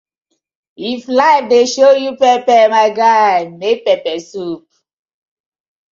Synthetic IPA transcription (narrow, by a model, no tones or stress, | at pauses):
iflaɪdeʃojupɛpɛmaɪɡaɪmek̚pɛpɛsup̚